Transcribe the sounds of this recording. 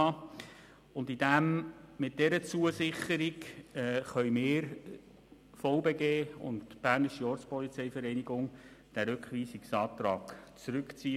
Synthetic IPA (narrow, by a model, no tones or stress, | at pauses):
ɑ | ʊndidæmmɪt̚d̥ɛɾət͡suəsɪχəɾikɛːχœʏmɪːɾ | fɔʊbeɡeːʊ̰ntb̥æːɾnɪʃiɔːɾt͡spɔlit͡sɛɪfəɾɛɪniɡʊŋ | d̥æɾʉkχʋiːsiksɑːt̪ɾɑːkt͡sɾʉkt͡siː